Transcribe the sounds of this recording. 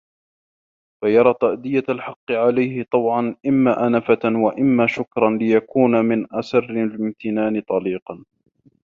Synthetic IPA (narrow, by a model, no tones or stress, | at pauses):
fajɑɾˤɑːt̪ˤaʔd̪ɪjalħɑqːɨʕalajhɪt̪ˤɑbʕɑnʔɪmːaːʔanafawaʔɪmːaːʃʊkɾˤɑnlɪjakuːnamɪnʔasɑrːɪlɪmt̪ʰɪnaːnɪt̪ˤɑliːqɑn